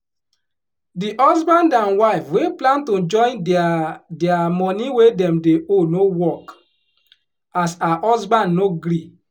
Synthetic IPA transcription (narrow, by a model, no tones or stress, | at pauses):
diʔɔsbãndãnwaɪfweplãntod͡ʒɔ̃ɪ̃n | diamɔniwedɛmdeʔonowɔk | asahɔsbãnnoɡɾi